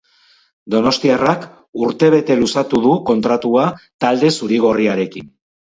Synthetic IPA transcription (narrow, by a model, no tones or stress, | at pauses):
d̪o̞no̞st̪iarak | uɾt̪e̞β̞e̞t̪e̞lusat̪uðuko̞nt̪ɾat̪uat̪ald̪e̞suɾiɣ̞o̞riaɾe̞kḭn